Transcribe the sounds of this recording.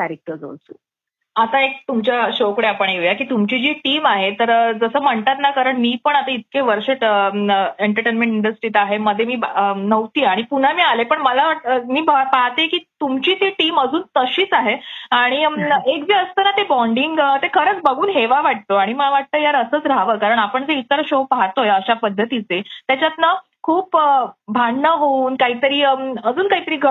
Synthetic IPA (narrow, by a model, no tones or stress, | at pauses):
kæɾek̚ʈəɾd͡zo̰lt͡sṵː | at̪aek̚t̪umt͡ɕjaɕokɽeapəɳjeʋjakiːt̪umt͡ɕiːd͡ʑiːʈiːmaɦet̪əɾd͡zəsəːm̤əɳt̪at̪nakəɾəɳmiːpəɳat̪ait̪̚keʋəɾɕeʈəeɳʈəɾʈenmẽɳʈiɳɖəsʈɾiːt̪aɦeməd̪ʱːjemiːnəʋt̪iːaɽ̃ipun̤amiːalepəɳməlaʋaʈəmiːbapaɦt̪ekiːt̪umt͡ɕiːt̪iʈiːməd͡zuːnt̪əɕiːt͡saɦeaɽ̃iekd͡ʑiːəst̪ənat̪ebɔɳɖiŋɡt̪ekʰəɾət͡sbəɡuːnɦeʋaʋaʈ̚t̪oaɽ̃iməlaʋaʈ̚t̪əːjaɾəsəːt͡sɾaʋəːkaɾəɳapəɳd͡zeit̪əɾɕopaɦt̪ojeəɕapəd̪ʱːət̪it͡set̪jat͡ɕjat̪nə | kʰuːpbʱaɳɳəɦouːnkaɦiːt̪əɾiːəd͡zuːnkaɦit̪əɾiːɡʱə